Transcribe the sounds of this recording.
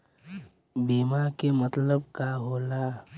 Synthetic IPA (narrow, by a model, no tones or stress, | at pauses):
biːmakemət̪ləbkaɦoːla